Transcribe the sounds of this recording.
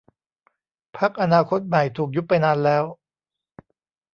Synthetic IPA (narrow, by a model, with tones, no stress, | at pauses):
pʰa˦˥k̚ʔa˧naː˧kʰo˦˥t̪̚ma˨˩jt̪ʰuː˨˩k̬̚ju˦˥pːa˧jnaː˧nlɛː˦˥w